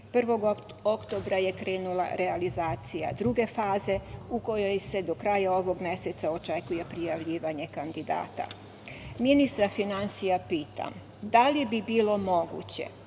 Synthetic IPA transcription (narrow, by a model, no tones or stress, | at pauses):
pr̩ʋo̞ɡ | o̞kt̪o̞bɾaje̞kɾeːnula̰ɾealizaːt̪sija̰d̪ɾuɡe̞faːze̞uko̞jo̞jse̞d̪o̞kɾajao̞ʋo̞ɡmje̞set̪sao̞t͡ʃe̞kuje̞pɾijaʋʎiːʋaɲe̞kand̪id̪a̰ːt̪a̰ | minist̪ɾafinansijapiːt̪a̰m | d̪alibibiːlo̞mo̞ɡṵt͡ɕe̞̰